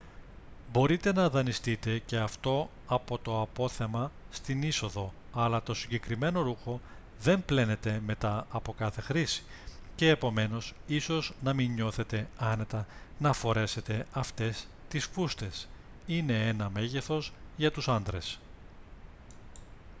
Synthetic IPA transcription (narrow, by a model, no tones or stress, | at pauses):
bo̞ɾit̪e̞nɐðɐnist̪it̪e̞ce̞ɐft̪o̞ | ɐpo̞t̪o̞ɐpo̞θe̞mɐst̪iniso̞ðo̞ | ɐlɐt̪o̞siɲɟe̞kɾime̞no̞ɾuxo̞ | ðe̞mple̞ne̞t̪e̞me̞t̪ɐɐpo̞kɐθe̞xɾisi̥ | ce̞ːpo̞me̞no̞siso̞znɐminɲo̞θe̞t̪e̞ɐne̞t̪ɐnɐfo̞ɾe̞se̞t̪e̞ɐft̪e̞st̪isfust̪e̞s | ine̞enɐme̞ʝe̞θo̞sʝɐt̪usɐnd̪ɾe̞s